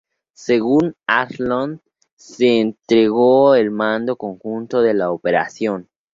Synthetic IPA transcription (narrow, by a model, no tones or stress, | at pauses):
se̞ɣunatlond̪ | seːnt̪ɾe̞ɣoelmãnd̪o̞ko̞ŋxunt̪o̞ðe̞laope̞ɾa̰sjo̞n